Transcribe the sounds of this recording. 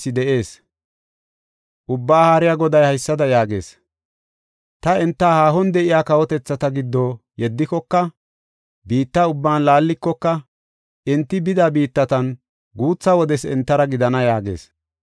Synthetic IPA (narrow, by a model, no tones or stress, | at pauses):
ɪd̪ɛʔe̞ːs | ʔʊbːaːhaːɾɪjaːɡɔd̪ɐjhɐjsːɐd̪ɐjaːɡe̞̰ːs | t̪ɐɛnt̪ːahaːɦɔnd̪ɛʔɪjaːkɐwɔt̪ɛt͡sːɐt̪ɐɡɪd̪ːoː | jɛd̪ːɪkɔkːɐ | biːt̪ːɐʊbːaːnlaːlːɪkːɔkːɐ | ʔɛnt̪ːɪbɪd̪abiːt̪ːɐt̪ɐn | ɡuːt͡sːɐwɔd̪ɛsɛ̰nt̪ːɐɾɐɡɪd̪ɐnɐjaːɡḛːs